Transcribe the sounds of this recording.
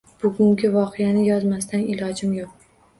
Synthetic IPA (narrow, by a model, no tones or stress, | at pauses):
b̥ʊɡʲʊŋɡʲɪvɒqʰɨjanɪjɒzmast̪ʰanɪlɒd͡ʒɪmjoq̚